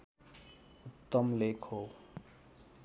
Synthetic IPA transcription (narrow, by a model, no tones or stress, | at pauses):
ut̪ːʌmlekʰho